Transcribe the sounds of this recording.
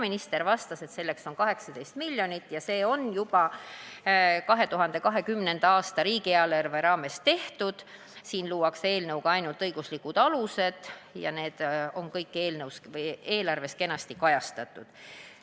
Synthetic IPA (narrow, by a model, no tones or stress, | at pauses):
minist̪e̞ɾvɑst̪ɑse̞t̪se̞lːe̞kso̞nkɑɦe̞ksɑd̪e̞jst̪milʲjo̞nit̪ːˑjɑse̞ːo̞njub̥ɑ | kɑɦe̞t̪uɦɑnd̪̥e̞kɑɦe̞kymne̞nd̪̥ɑɑːst̪ɑɾiːɡ̥iɑlɑrveɾɑːme̞st̪e̞ht̪ud̪̥ | siːnluːwɑkse̞ːlnɤwɡ̥ɑɑjnult̪ɤjɡ̥uslikːˑud̪̥ɑluse̞d̪̥jɑ̰ne̞ːd̪̥o̞nkɤjkːˑe̞ːlnɤwsvɤje̞ːlɑrve̞ske̞nɑst̪ikɑjɑst̪ɑt̪ːˑud̪̥